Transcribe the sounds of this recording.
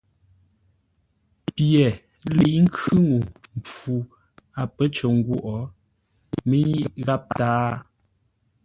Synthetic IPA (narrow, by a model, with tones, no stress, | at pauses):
pjɛ˨ | li˨ʔŋ̩˦kʉ˦ŋu˨m˨pu˨ | a˨pə˦t͡ʃə˨ŋ˦ɡwo˦˨ʔɔ˨˦ | me˦ɲi˦ɣa˦p̚taː˦